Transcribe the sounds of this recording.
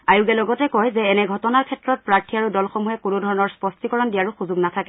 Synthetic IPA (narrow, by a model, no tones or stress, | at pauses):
ajuɡɛlɔɡɔtɛkɔjzɛːnɛɡʱɔtɔnaɹkʰɛtɹɔt̚pɹaɹtʰiaɹudɔlxɔmuɦɛkunudʱɔɹɔnɔɹspɔstikɔɹɔndijaɹuxuzuɡnatʰakɛ